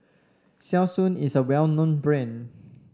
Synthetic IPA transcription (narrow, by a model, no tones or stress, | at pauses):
sɛsũnisəwɛlnõnbɹẽn